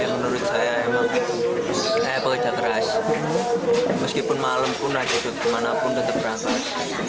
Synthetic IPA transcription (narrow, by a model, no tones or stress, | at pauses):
jaŋmənuɾʊt̪̚sajaemaŋ | sajapəkə̥d͡ʒ̥a̤kəɾas | məskipʊnmaləmpʊnad̥asot̪̚manapʊnt̪ət̪əp̚ɾakas